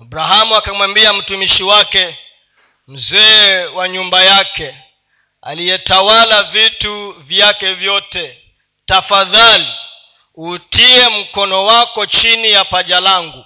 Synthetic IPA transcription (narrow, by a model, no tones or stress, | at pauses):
abɾaɦamuakamwambiam̩tumiʃiwakɛ | m̩zɛːwaɲumbajakɛ | a̰liɛtawalavituvjakɛvjɔtɛ | tafaðali | utiɛm̩kɔnɔwakɔt͡ʃinijapaʄalaŋɡu